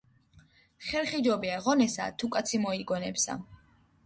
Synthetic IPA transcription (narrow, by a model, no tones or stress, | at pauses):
χɛlˠχid͡ʒɔbiaʁɔnɛsa̰t̪ʰukʼat̪sʰimɔiɡɔnɛpsa̰